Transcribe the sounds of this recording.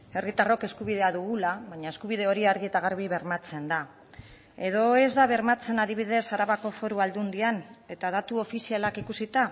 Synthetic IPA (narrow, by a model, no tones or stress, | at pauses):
e̞rit̪aro̞ke̞skuβið̞e̞aðuɣulaβaɲae̞skuβ̞iðe̞o̞ɾiaɾɣiet̪aɣ̞aɾβ̞iβe̞ɾmat͡se̞nd̪a | e̞ð̞o̞e̞zd̪aβe̞ɾmat͡se̞naðiβ̞ið̞e̞saɾaβako̞fo̞ɾuald̪und̪iane̞t̪að̞at̪uo̞fisialakikusit̪a